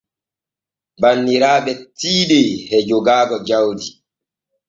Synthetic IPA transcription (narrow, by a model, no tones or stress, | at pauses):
banːiɾaːɓɛtiːɗehɛd͡ʒoɡaːɡɔd͡ʒawdi